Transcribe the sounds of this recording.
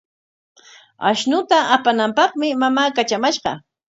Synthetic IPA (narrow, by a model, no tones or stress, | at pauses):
a̰ʃnʊt̪aʔapanampɑχmɪmamaːkat͡ʃamaʃɢɑ̰